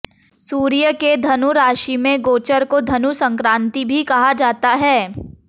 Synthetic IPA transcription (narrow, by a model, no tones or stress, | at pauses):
suːɾijəked̪ʱɐnuɾaːʃimẽɡoːt͡ʃəɾkod̪ʱɐnusɐ̃ŋkɾãːnt̪ibʱikɐɦad͡ʒaːt̪aɦɛː